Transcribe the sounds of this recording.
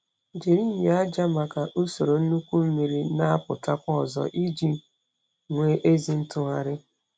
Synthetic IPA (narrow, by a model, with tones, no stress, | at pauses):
d͡ʒi˨ɾi˦ɲ˨a˦d͡ʒa˦ma˨ka˨ʔu˦so˨ɾo˨n̩˦nu˦kʷu˦m̩˦mi˨ɾi˦na˦a˦pʊ̰˨ta˦kʷɔ˦˨zɔ̰˦ʔi˦d͡ʒi˦ | ŋʷe˨˦ʔe˦zi˨n̩˦tʊ˦ɣa˨ɾɪ˦